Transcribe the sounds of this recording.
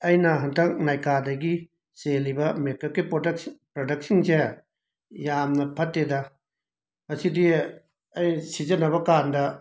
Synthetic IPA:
ɐjnɐɦɐndɐk̚najkadɐɡi | selibɐmekːɐkːipkpɾodɐk̚sinse | jamnɐpʰɐtːedɐ | mɐsidi | ɐjsizɐnɐbɐkandɐ

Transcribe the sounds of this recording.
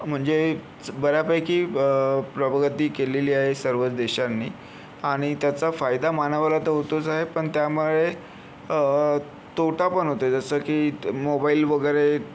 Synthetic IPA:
m̤əɳd͡ze | bəɾjapəjkiːpɾəbəɡət̪iːkeleliːaɦesəɾʋət͡sd̪eɕanːiː | aɽ̃it̪jat͡safajd̪amanəʋalat̪əɦot̪ot͡saɦepəɳt̪jamuɭe | ə | t̪oʈʰapəɳɦot̪oed͡zəsəːkiːmobaiːlʋəɡəjɾe

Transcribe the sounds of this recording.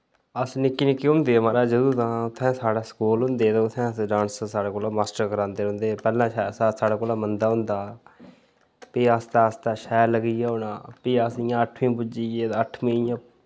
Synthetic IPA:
əsnɪkːiːnɪkːiːɦʊ̃nd̪eːmaːɾaːd͡ʒəd̪uːt̪ãːʊt̪ʰːɛ̃ːsaːɽaːsə̥kuːlɦʊ̃nd̪eːt̪ãʊt̪ʰːɛ̃ːɖaːnssaːɽaːkoːlaːmaːsʈəɾkəɾãːnd̪eːɾɦʊ̃nd̪eːpɛːlãːsasaːɽaːkoːlaːmənd̪aːɦʊ̃nd̪aː | piːəst̪aːəst̪aːʃɛːləɡijaːɦʊnãːpiːəsɪjãːəʈʰmĩːpʊd͡ʒiːeːt̪ːəʈʰmĩːjãː

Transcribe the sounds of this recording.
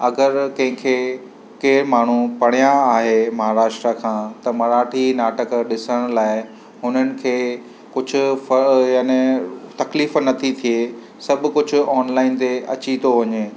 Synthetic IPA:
ɐɡəɾkɐ̃ɦɪ̃kʰe | keːɾmaːɳ̤upɐɽ̃ijaːɦemɐɦaːɾaːʃʈɾakʰãːt̪ɐmɐɾaːʈʰinaːʈəkɗɪsəɽ̃laːɪ | ɦʊnənɪ̆kʰeː | kʊd͡ʑʱʊ̆fɐjaːnẽt̪ɐkliːfnɐt̪ʰit̪ʰie | sɐbʱʊ̆kʊd͡ʑʱʊ̆ɔːnlaːɪnt̪eɐt͡ɕit̪oʋɐɲeː

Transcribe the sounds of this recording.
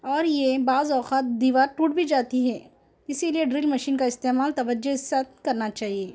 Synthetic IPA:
ɔːɾjebaːzɔːxaːt̪̚d̪iːʋaːɾʈuːʈ̚bʱid͡ʒaːt̪iɦɛ | ɪsilieɖɾiːlmɐʃiːnkaɪst̪eːmaːlt̪ɐʋəd͡ʒoɪsat̪̚ʰkɐɾnat͡ʃaːɦieː

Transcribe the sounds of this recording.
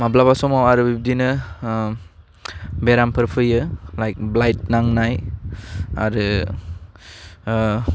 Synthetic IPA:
mablabasɔmawaɾɯbib̚dinɯ | beɾampʰɯɾpʰɯjɯlajk̚blajt̚naŋnaj | a̰ɾɯ

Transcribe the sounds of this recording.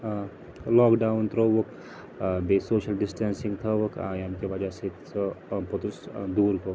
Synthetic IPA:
lɔːkɖaːunt̪ɾoʋək | besoːʃəlɖisʈaːnsĩŋɡt̪ʰɐʋəkʰa̰ːɐmkeʋɐd͡ʒasesəpot̪usd̪uːɾko

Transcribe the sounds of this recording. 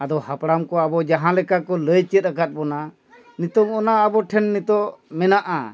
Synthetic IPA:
ad̪ɔhapɽamkɔabɔd͡ʒaɦãlɛkakɔləjt͡ʃət̪̚akat̪̚bɔna | nit̪ɔmɔnaːbɔʈʰɛnːit̪ɔmɛnaʔa

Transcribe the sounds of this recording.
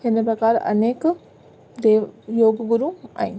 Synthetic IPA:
henɐpɾɐkaːɾʔɐ̰neːk | d̪joːɡɡuɾuŋa̰jn

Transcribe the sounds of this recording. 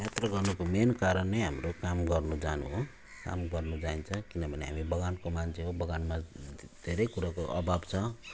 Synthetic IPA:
jat̪rʌɡʌrnukomenkaɾʌnːeɦamɾokamɡʌrnud͡zanṵɦo | ka̰mɡʌrnud͡zaint͡sʰʌ̃kinʌbʱʌneɦa̰mibʌɡankomant͡sʰeɦobʌɡanmad̪ʱeɾʌjkuɾakoʔʌbʱabt͡sʰʌ

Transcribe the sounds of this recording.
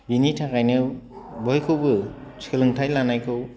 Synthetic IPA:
binitʰakajnɯwbɔjkʰɯwbɯt͡ʃɯlɯŋtʰajlanajkʰɯw

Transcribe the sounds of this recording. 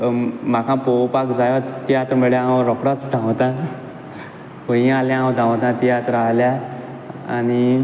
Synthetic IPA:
makʰãpowpakd͡zajɔt͡st̪iat̪meɭjãwɾɔkɽat͡sd̪ʱãwt̪ã | ʋəĩaljããwd̪ʱãwt̪ãt̪iat̪ɾaɦlja | a̰ñi

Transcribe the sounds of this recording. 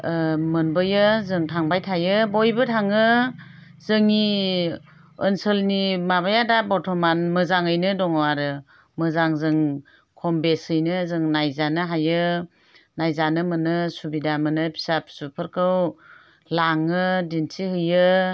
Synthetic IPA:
mɯnbɯjɯzɯŋtʰaŋbajtʰajɯbɔjbɯtʰaŋɯ | zɯŋi | ənsɯlnimaβajadabɔtʰɔmanmɯzaŋɯjnɯdɔŋwaɾɯ | mɯzaŋzɯŋ | kʰɔmbesɯjnɯzɯŋnajzanɯɦajɯ | najzanɯmɯnɯsubidamɯnɯpʰi̥sap̚supʰɯɾkʰɯw | laŋɯdinsʰihɯjɯ

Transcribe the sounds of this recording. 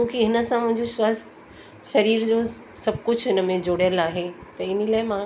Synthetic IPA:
t͡ɕũːkiɦɪnə̆sãmʊ̃ɦɪ̃ɲd͡ʑoʃɐs | ʃɐɾiːɾd͡ʑoː | sɐb̚ʱkʊd͡ʑʱɦɪnə̆mẽd͡ʑoːɽjəlaːɦet̪ɐɪnəlaːɪmã

